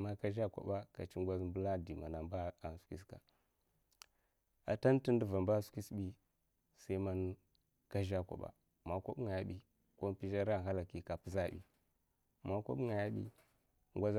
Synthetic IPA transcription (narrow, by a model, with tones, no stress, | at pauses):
ma˦ka˦ʒa˦kʷa̰˨ba˦ka˨t͡ʃi˦ŋ˦ɡʷa˦zm˦bə˦la˦di˨ma˨na˨mba˦a˨n˨su̥˨ki˦ska˨ | a̰˨ta˦n˦ti˦n˦də˦va˨mba˦su̥˦ki˦sbi˦ | sa˦i˦ma˦n˦ | ka˦ʒa˦˨kʷa̰˨ɓa̰˨ | ma˨kʷo˦bŋa˨ja˦ɓi˦ | ko˦m˦pi˦ʒa˦ɾa˦˨ɦa˦la˨ki˨ka˨pu˨˦za˦˨bḭ˨ | ma˦ko̰˦ŋa˨ja˦ɓḭ˦ | ŋɡʷa˦z